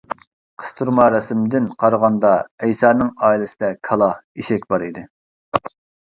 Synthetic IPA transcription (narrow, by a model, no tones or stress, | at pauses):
qʰə̥st̪ʰuɾmɑɾɛsɪmd̪ɪnqʰɑɾəʁɑnd̪ɑɛjsɑːnɨŋɑːilˠɨsɪd̪ɛkʰɑlˠɑiʃɛkʲbɑɾid̪ɪ